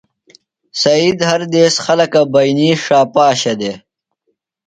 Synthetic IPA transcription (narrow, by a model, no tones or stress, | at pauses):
sɐid̪hɐɾd̪eːsxɐlɐkabɐjniːʂaːpaːɕɐd̪e